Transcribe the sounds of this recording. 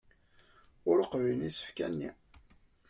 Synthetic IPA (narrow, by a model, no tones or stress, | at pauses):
ʊɾəqvinisə̥fkænːḭ